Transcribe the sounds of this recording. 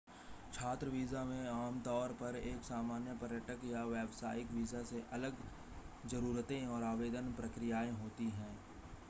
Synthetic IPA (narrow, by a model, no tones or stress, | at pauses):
t͡ʃʰaːt̪ɾəʋiːzamẽaːmt̪ɔːɾpɐɾeːksaːmaːnjəpɐɾjəʈəkjaʋeːbsa̰ːjɪkʋiːzaseʔɐləɡ | zɐɾuːɾət̪ẽɔːɾaːʋeːd̪ənpɾɐkɾijaːẽɦoːt̪iɦɛ̃ː